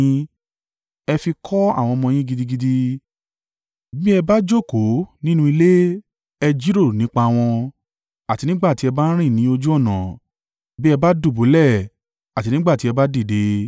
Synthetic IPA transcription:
ɛ˧fi˧kʰɔ˦a̰˦˨w̃ɔ̃˧mɔ̃˧j̃ĩ˦ɡi˧di˧ɡi˧di˧ | bĩ˦ɛ˧ba˦d͡ʒo˦˨ko˨˦nĩ˦nũ˦i˧le˦ | ɛ˧d͡ʒi˦ɾo˦˨nĩ˨˦k͡pa˧w̃ɔ̃˧ | a˨ti˧nĩ˦ɡ͡ba˦˨ti˨˦ɛ˧ba˦ɾ̃ĩ˦˨nĩ˨˦o˧d͡ʒu˦ɔ˦˨nã˨ | bi˦ɛ˧ba˦du˦˨bo˨˦lɛ˦˨ | a˨ti˧˦nĩ˦ɡ͡ba˦˨ti˦ɛ˧ba˦di˦˨de˨˦

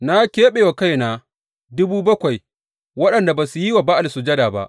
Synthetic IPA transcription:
na˦kʲeː˦ɓeː˨wa˨ka˦jnaː˨ | dʊ˦buː˦bɐ˦kʷa˨j | wɐ˦ɗɐ˨nda˨baː˨su˨ji˦wa˨baː˦ʔa˨lsʊ˨d͡ʒɐ˦daː˨ba̰˦ʔ

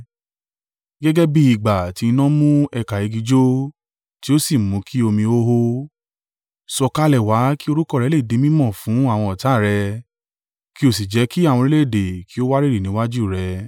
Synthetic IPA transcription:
ɡɛ˦ɡɛ˦bi˧˦i˨ɡ͡ba˨ti˨˧i˧nɔ̃˦mũ˦ɛ˧˨ka˨i˨˧ɡi˧d͡ʒo˦ | ti˨˦o˦si˦˨mũ˨˦ki˦o˧mĩ˧o˦ɦo˦ | sɔ˧ka˦lɛ˨wa˨˦ki˦o˧ɾu˦kɔ˦˨ɾɛ˨˦le˦˨de˨˧˦mĩ˦mɔ̃˦˨fũ˨˦a˦˨w̃ɔ̃˧ɔ˨ta˨˦˨ɾɛ˧ | ki˦o˦˨si˨d͡ʒɛ˨˦ki˦a˦˨wɔ̃˧ɾi˦le˦˨de˨kʰi˨˦o˦wa˦ɾi˦ɾi˦˨nĩ˨˦wa˦d͡ʒu˦˨ɾɛ˧

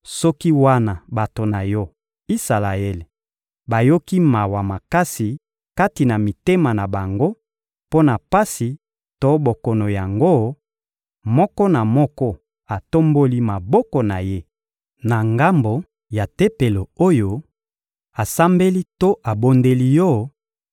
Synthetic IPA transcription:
sɔ˦ki˦wa˦na˨ba˨to˨na˨jɔ˦ | i˦sa˨la˨e˦le˨ | ba˨jo˦ki˦ma˨wa˨ma˨ka˦si˨ | ka˦ti˨na˨mi˨te˦ma˨na˨ba˨ŋɡo˦ | po˦na˨pa˦si˨ | to˦bo˨kɔ˨no˨ja˨ŋɡo˦ | mɔ˦kɔ˦na˨mɔ˦kɔ˦ | a˨to˦mbo˦li˦ma˨bɔ˦kɔ˨na˨je˦ | na˨ŋɡa˦mbo˨ | ja˨te˦pe˨lo˨o˦jo˨ | a˨sa˦mbe˦li˦to˦ʔa˨bo˦nde˦li˦jɔ˦

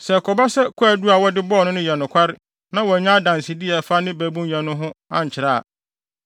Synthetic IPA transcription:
sɛ˨kʰɔ˨ba˦sɛ˦kʰɔ˦ɛ˨du˦a˨wɔ˦dɪ˦bɔː˦˨nʊ̃˦nʊ̃˦jɛ˨nʊ̃˨kʰʷa˦ɾɪ˦ | nã˦wɔ˨ɲã˦dã˨n˨si˨dɪ˦ɛ˨fa˦nɪ̃˦bæ˨˦bũ˦njɛ̃˨nʊ̃˦ɦʊ̃˦ã˦ɲ˨t͡ɕʰɪ˨ɾa˦˨a̰˨

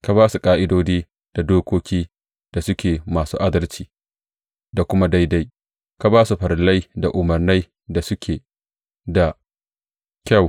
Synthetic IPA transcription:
ka˨baː˦su˨kʼaː˦ʔɪ˦doː˦d͡ʒiː˦ | d̥a˨doː˦kʷoː˦kʲiː˦ | d̥a˨sʊ˦kʲeː˨maː˨sṵː˦ʔa˦dɐ˦lt͡ʃiː˨ | da˨kʷʊ˦ma˦da˦jda˦j | ka˨baː˦su˨ɸɐ˨ɾla˦jda˨ʔʊ˨mɐ˨rna˦j | da˨sʊ˦kʲʰeː˨ | da˨ | kʲa˦˨w

